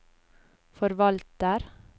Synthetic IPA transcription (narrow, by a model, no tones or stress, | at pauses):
fɔɾʋɑlt̪əɾ